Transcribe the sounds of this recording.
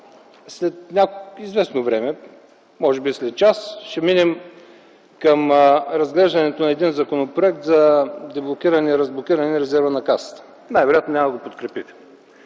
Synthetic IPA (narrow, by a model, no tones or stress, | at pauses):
slɛt̪nʲakizvɛsnovɾɛmɛ | mɔʒɛbislɛt̪̚t͡ʃasʃɛminɛm | kəmɾɐzɡlɛʒd̪ɐnɛt̪onɐɛd̪inzɐkonopɾoɛk̚t̪zɐd̪ɛblˠok̟ʲiɾɐniɾəzblˠok̟ʲiɾənɛɾɛzɛɾvənɐkasə̥t̪ə̥ | najvɛɾojat̪nonʲamɐd̪əɡopot̪kɾɛpit̪ɛ̥